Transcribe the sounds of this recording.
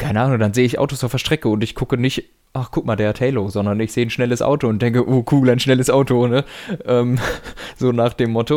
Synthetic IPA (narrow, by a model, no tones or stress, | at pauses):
kʰaɪnəʔaːnʊŋdanzeːəɪçʔa̰ʊtosaʊfɛɐʃtʁ̥ɛkəʊntɪçkʰʊkənɪçt | ʔaχkʰʊkmaːldeːɐtʰɛɪlozɔndɐnɪçz̥eːənʃnɛləsʔa̰ʊtoʊnt̚d̥ɛŋkəʔoːkʰuːlaɪnʃnɛləsʔaʊtonəʔɛːmz̥oːnaːχd̥eːmːɔtʰo